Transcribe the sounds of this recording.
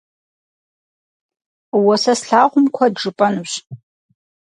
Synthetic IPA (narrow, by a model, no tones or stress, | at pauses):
wɐsɐsɬaːʁʷʊmkʷʰɐdʐɨpʼɐnuɕ